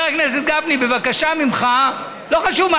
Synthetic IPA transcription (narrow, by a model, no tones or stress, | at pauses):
ʁeknes̬et̪̚ɡavnibe̞vakaʃamimχa | loχaʃuvm